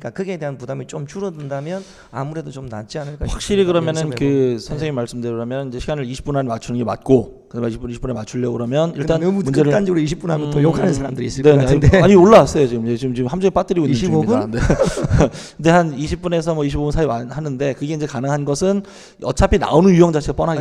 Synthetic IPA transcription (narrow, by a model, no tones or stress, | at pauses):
k͈akɯɡe̞de̞ɦanpudamit͡ɕomt͡ɕʰuɾʌdɯndamjʌn | a̰muɾe̞dot͡ɕomna̰t͡ɕianɯɭk͈ahwak̚ɕ͈iɾikɯɾʌmjʌnɯnkɯsʰʌnsʰeŋemaɭs͈ɯmdɯɾɾamjʌnind͡ʑe̞ɕʰiɡanɯɾiɕʰi̥p͈unɦamimat͡ɕʰunɯnɡe̞ma̰t̚k͈o | kɯamaiɕʰipuniɕʰip͈ːunemat͡ɕʰuʎːʌkɯɾʌmjʌniɭt͈anumund͡ʑeɯand͡ʑʌɡɯɾoiɕʰip͈unɦamʌojokʰanɯns̬ʰaɾamdɯɾis͈ɯne̞neaiaɲioɭːawas͈ʌjot͡ɕiɡɯmd͡ʑet͡ɕiɡɯmt͡ɕiɡɯmhamd͡ʑʰoep͈at͈̚ɯɾiɡoiniobunne | kɯnde̞haniɕʰip͈̚une̞s̬ʰʌmwʌiɕʰibobunsʰaimanhanɯnde̞kɯɡe̞ind͡ʑe̞kanɯŋɦanɡʌsʰɯn | ʌ̰t͡ɕʰapʰina̰onɯnjujʌŋd͡ʑat͡ɕʰiɡap͈ʌnɦaɡe